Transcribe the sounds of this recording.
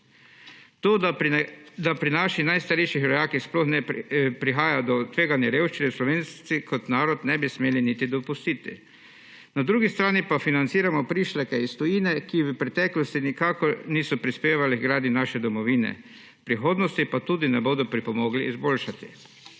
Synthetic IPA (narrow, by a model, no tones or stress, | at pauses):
t̪oː | d̪apɾinaːʃixnajst̪aɾejʃixɾɔjaːkixsplɔxnɛpɾixaːjad̪ɔt̪ʋeːɡanjɛɾeːwʃt͡ʃinɛwslɔʋeːnt̪sikʰɔt̪naːɾɔt̪nɛbismeːlinit̪id̪ɔpust̪iːt̪ḭ | nad̪ɾuːɡist̪ɾaːnipafinant̪siːɾamɔpɾiːʃlakɛist̪ɔjiːnɛkiʋəpɾɛt̪ɛːklɔst̪inikaːkɔɾniːsɔpɾispeːʋaliɡɾaːd̪inaːʃɛd̪ɔmɔʋiːnɛ̰ | pɾixoːd̪nɔst̪ipat̪uːd̪inɛboːd̪ɔpɾipɔmoːɡliːzboːlʃat̪i